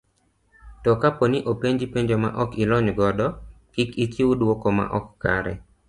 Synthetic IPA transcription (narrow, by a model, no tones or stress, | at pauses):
tɔkaponiʔopeɲd͡ʒipeɲd͡ʒoma̰ʔɔkilɔɲɡɔdɔ | kɪkit͡ʃiwudwokoma̰ʔɔkːa̰ɾɛ̰